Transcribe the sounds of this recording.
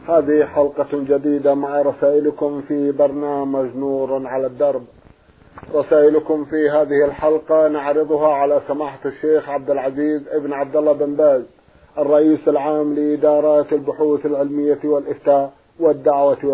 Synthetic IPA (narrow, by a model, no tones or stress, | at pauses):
haːðɪhħalqɑd͡ʒad̪iːd̪amaʕɾˤɑsaːʔɪlkʊmfiːbɑɾˤnaːmad͡ʒnuːɾˤʕalad̪ːɑɾˤb | ɾˤɑsaːʔɪlkʊmfiɦaːðɪhɪlħalqɑnaʕɾɨðˤʊɦaʕalasamaːħaʃːeːxʕab̚d̪ɪlʕaziːzʔɪbnʕab̚d̪alːabɪmbaːz | ʔɑrˤːɑʔiːsalʕaːmlɪʔɪd̪ɑːɾˤɑːt̪ɪlbʊħuːθalʕɪlmɪjːawɪlʔɪft̪aːʔ | wɪd̪ːaʕwa